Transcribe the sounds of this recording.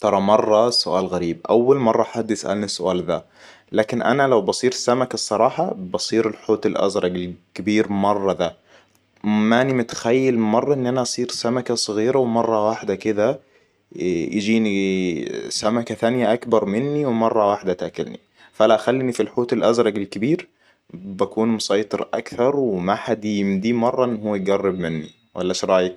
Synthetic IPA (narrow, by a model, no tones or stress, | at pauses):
t̪ɑɾˤɑmɑrˤːɑsːʊʔaːlɣaɾiːbʔawːalmɑrˤːɑħad̪ːjɪsʔa̰lnisːʊʔaːlða | laːkɪnʔa̰nalawbɑsˤiːɾɪsːamakasˤːɑɾˤɑːħɑbɑsˤiːɾɪlħoːt̪ɪlʔa̰zɾˤɑɡɪlkɪbiːɾmɑrˤːɑd̪a | manimʊt̪xajːalmɑrˤːɑʔɪnːʔanaʔɑsˤiːɾsamakasˤɣiːɾawmɑrˤːɑwaħd̪akɪd̪a | jd͡ʒiːni | samakaθanjaʔakbɑɾˤmɪnːiwmɑrˤːɑwaħd̪at̪akʊ̰lnḭ | faʔalaʔaxalːinifilħoːt̪ɪlʔazɾˤɑɡɪlkɪbiːɾ | bakuːnmʊsɑjt̪ˤɨɾʔa̰kθɑɾˤwɪmaħad̪jɪmd̪iːmɑrˤːɑʔɪnːhuwːajɡɑrːɪbmɪnːi | wʔa̰lːaʃɾˤɑːja